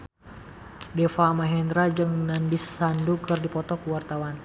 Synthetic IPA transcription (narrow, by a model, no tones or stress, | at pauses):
dɛfaːmaɦɛnd̪ɾad͡ʒɨŋnanbisːandukɨrdipɔt̪ɔkuwart̪awan